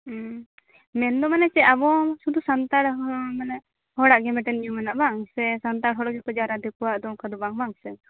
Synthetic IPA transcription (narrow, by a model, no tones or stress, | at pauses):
mɛnd̪ɔmanɛt͡ʃɛabɔsud̪usant̪aɽmanɛ | hɔɽaʔɡɛmɛʈɛnijumanaʔbaŋsɛsant̪aɽɦɔɽaʔɡɛkɔd͡ʒaɾad̪ɛkuwaʔd̪ɔkad̪ɔbaŋbaŋsɛ